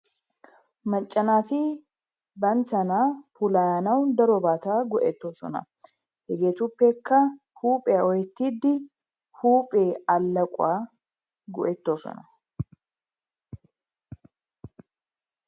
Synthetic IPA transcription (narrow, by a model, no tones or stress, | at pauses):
mɐt͡ʃʼːɐnaːt̪i | bɐnt̪ɐnaːpʊlaːjɐnɐwd̪ɐɾɔbaːt̪aːɡɔʔɛt̪ːo̞ːsɔ̰nɐ̰ | hɛɡe̞ːt̪ʊpːɛkːɐ | huːpʼɛaɔjɛt̪ːid̪ːɪ | huːpʼe̞ːɐlːɐkʼʊaː | ɡɔʔɛt̪ːo̞ːsɔ̰nɐ